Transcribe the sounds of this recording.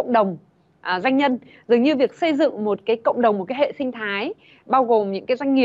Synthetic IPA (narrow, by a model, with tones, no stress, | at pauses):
ə̰˧˨wŋ͡mɗə˨˩wŋ͡m | ʔzwa˧jŋ̟ɲə˧n | zɨ˨˩əŋɲɨ˧vi˨˩ək̚sə˧jzɨ̰˧˨ŋmo˨˩t̚kaː˨˦jkə̰˧˨wŋ͡mɗə˨˩wŋ͡mmo˨˩t̚kaː˨˦jhḛ˧˨sï˧ŋ̟t̪ʰaː˨˦j | ɓaː˧wɣo˨˩mɲɨ̰˧˥ŋkaː˨˦jza˧jŋ̟ŋi˨˩